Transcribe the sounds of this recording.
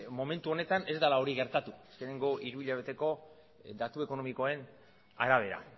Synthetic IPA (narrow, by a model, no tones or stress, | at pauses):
mo̞me̞nt̪uo̞ne̞t̪ane̞zd̪alao̞ɾiɣe̞ɾt̪at̪uaske̞ne̞ŋɡo̞ʔiɾuiʎaβ̞e̞t̪e̞ko̞ | d̪at̪ue̞ko̞no̞miko̞e̞n | a̰ɾaβ̞e̞ɾa̰